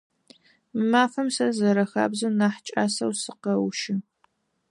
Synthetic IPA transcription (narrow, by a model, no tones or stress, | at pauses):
maːfɐmsɐzɐɾɐxa̰ːbzɨnaːħt͡ʃʼaːsɐwsɨqɐwʃɪ